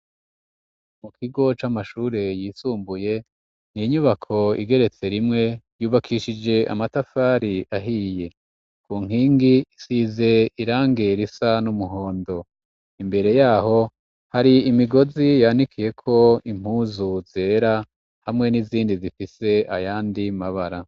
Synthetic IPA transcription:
mukʰiɡo̞t͡ʃamaʃuːɾe̞jiːsuːmbuje̞ | niɲuβakʰo̞ḭɡe̞ɾe̞t͡se̞ɾimŋe̞juːβakʰiːʃid͡ʒe̞ʔa̰matafaːɾiʔaɦiːje̞ | kuːŋ̥iːŋɡisize̞iɾaːŋɡe̞ɾisanumuɦo̞ːndo̞ | imbe̞ɾe̞jaːho̞ | haɾiːmiɡo̞zijanikʰije̞kʰo̞im̥uːzuz̥e̞ːɾa | hamŋe̞niziːndizifise̞ajaːndimaβaɾa

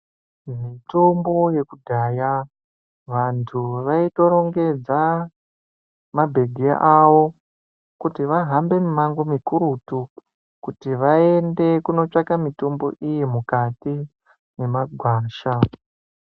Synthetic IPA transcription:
mitombo̞je̞kudʱaːja | ʋantʰuʋaito̞ɾo̞ŋɡe̞d͡za | mabʱe̞ɡʱḛʔaʋo̞ | kutiʋaɦambe̞mumaŋɡomikuɾutu | kutiʋae̞nde̞kuno̞t͡ʂakamito̞mbo̞̰ʔijemukati | ne̞maɡʱwaːʃa

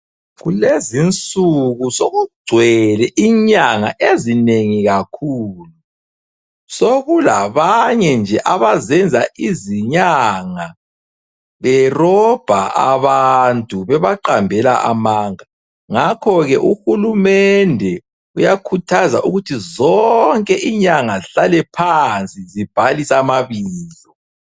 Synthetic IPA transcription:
ɣulezint͡sʼuɣusoɣuɡ͡ǀ̥ʱwɛlɛʔiɲaŋa̰ʔezineŋiɣakʰuːlu | soɣulaβaɲɛnd͡ʒʱɛʔaβazɛnd͡zʱaʔiziɲaŋa | βɛrɔb̥ʱaʔa̰βantʼuβɛβaǃambʱɛla̰ʔa̰maŋa | ŋakʰɔɣɛʔuxulumɛndʱɛ | ujakʰutʰaza̰ʔuɣutʰizɔŋkʼɛʔiɲaŋaɬalɛpʰant͡sʼizib̥ʱalisamaβiːzɔ

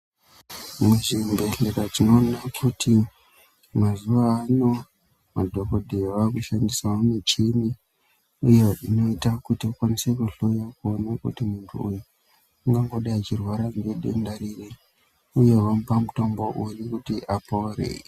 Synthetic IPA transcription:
muʐimbe̞ɬekatino̞ːnakʰutʰi | mazuʋaːno̞ | madʱo̞ko̞dʱejʋakuʃandisaonut͡ʃini | ujeʔino̞itakutiokwanise̞kuɬo̞jakuonakṵtimuntʰṵːju | aŋɡaŋɡo̞ɗaat͡ʃirwaɾaŋɡeɗḛndaɾire | uje̞ʋampamutomboʔujukutiʔapauɾḛi

